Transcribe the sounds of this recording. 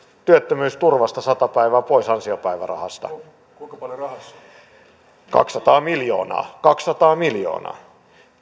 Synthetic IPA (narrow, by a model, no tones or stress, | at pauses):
t̪yøt̪ːømyːst̪urʋɑst̪ɑsɑt̪ɑpæiʋæːpoisɑnsiopæiʋæ̰rɑ̰hɑ̰st̪ɑ̰ | kukpɑljorɑh | kɑ̰ksːɑt̪ɑːmiljo̰ːnɑ̰ːkɑksːɑt̪ɑːmiljo̰ːnɑ̰ː